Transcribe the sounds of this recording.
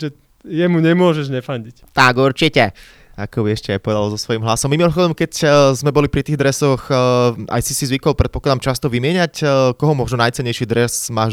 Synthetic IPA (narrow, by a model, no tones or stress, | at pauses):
ʒɛ | jɛmuɲɛmʊɔʒɛʒɲɛfaɲɟict̪aɡuɾt͡ʃicɛ | akɔʋiɛʃcɛajpɔʋɛd̪alzɔsʋɔjimɦlasɔmːimilxɔd̪ɔmkɛczmɛbɔlipɾit̪iːɣd̪ɾɛsɔxʔa̰jsisizʋikɔlpɾɛt̪pɔklad̪amt͡ʃast̪ɔʋimɪɛɲacːkɔɦɔmʊɔʒunajt͡sɛɲːɛjʃid̪ɾɛsmaːʒ